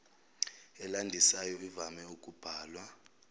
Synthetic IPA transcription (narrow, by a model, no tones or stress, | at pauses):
ɛlandʱisajɔivamɛukʼub̥ʱaːlwa